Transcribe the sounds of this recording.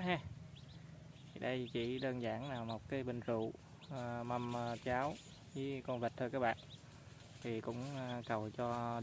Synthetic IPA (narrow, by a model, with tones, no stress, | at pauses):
ɦa˧ | tʰi˨˩ɗə˧jt͡ɕḭ˧˩˥ɗəː˧nzaː˧˩nnaː˨˩wmo˨˩t̚kaː˨˦jɓï˨˩ŋ̟zṵ˧˨ | ma˧mt͡ɕaː˨˦w | zɨ˨˦kɔ˧nvə˨˩t̚t̪ʰɨː˧kaː˦˥k̚ɓa̰ː˧˨n | t̪ʰi˨˩kʊ̰˧˥ŋ͡mkə˨˩wt͡ɕɔ˧